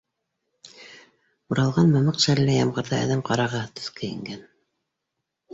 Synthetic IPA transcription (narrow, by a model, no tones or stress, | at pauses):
uɾɑlˠʁɑnmɤ̆mɤqʃæɾlːæjɑmʁɤ̆ɾðɑæ̰ðæmqɑɾɑʁɑt̪ɵ̥̆θkɘɘ̰̆ŋɡæn